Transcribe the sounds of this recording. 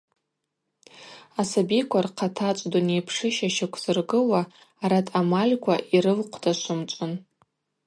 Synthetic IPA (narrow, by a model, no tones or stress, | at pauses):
asabikʷʰarqʰatʰat͡ʃʷʼdunejpʰʂɨʃaʃɪkʷʰzɨrɡɨwaː | ɾatʰʼamalʲkʷʰaʔiɾɨlqʷʰdaʃʷʊmt͡ʃʷʼʊn